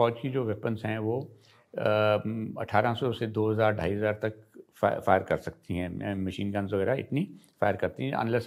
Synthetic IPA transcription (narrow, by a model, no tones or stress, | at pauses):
fɔːd͡ʒkid͡ʒoːʋeːpənzɦɛ̃ʋoː | ɐ̰ʈʰaːɾãsɔsed̪oːɦɐzaːɾɖʱa̰ːiɦəzaːɾt̪ɐk | faːjəɾkɐɾsɐk̚t̪iɦɛ̃ːmɐʃiːnkə̃nzʋɐɣɛːɾaɪ̰t̪nifaːjəɾkɐɾt̪iɦɛ̃ɐ̰̃nlɛs